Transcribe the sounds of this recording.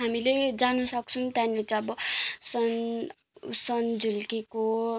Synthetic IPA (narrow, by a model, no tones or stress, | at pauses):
ɦamiled͡zanusʌk̚t͡sʰunt̪janlet͡sʌʌbʌsʌn | sʌnd͡zulkeko